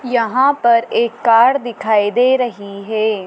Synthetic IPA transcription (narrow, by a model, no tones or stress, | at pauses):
jɐɦãpɐɾeːkːaːɽd̪ɪkʰaːid̪eːɾɐɦiɦɛː